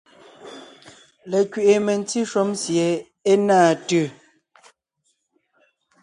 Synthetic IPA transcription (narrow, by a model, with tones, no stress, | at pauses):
le˨kɥe˨ʔe˨me˨n˦ti˦ʃwo˦msje˨ | e˦naː˦˨tʉ˦˨